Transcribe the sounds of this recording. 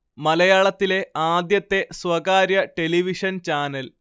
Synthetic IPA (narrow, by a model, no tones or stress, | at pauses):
mɐlɐjaːɭɐt̪ːile̞aːd̪jɐt̪ːe̞swɐɡaːɾjɐʈe̞liʋiʂɐnt͡ɕaːnɐl